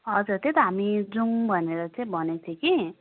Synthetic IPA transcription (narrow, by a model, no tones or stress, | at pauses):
ʌd͡zuɾt̪et̪ʌɦamid͡zuŋbʱʌneɾʌt͡saĩbʱʌnet͡s̪ʰĩki